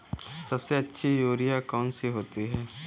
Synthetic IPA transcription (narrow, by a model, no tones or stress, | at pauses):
sɐbseɐtːʃʰijoːɾijakaːnsiɦoːt̪iɦɛː